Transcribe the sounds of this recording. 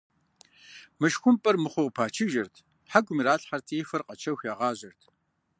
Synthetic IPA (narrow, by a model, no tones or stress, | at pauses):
mɨʃxʷʊmpʼɐrmɨχʷʊʁpʰaːt͡ʃʰɨʒɐrtʰ | ħaɡʷʊmiɾaːɬʼħartʰiːfɨrqʼɐt͡ʃʰɐxʷjaːʁɑːʑɐrtʰ